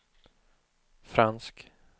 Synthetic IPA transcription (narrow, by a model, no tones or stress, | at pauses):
fɾansk